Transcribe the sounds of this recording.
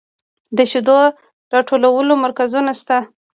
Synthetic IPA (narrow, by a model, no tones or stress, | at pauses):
d̪əʃɪd̪o | ɾɑʈʰolawəlomaɾkazunast̪a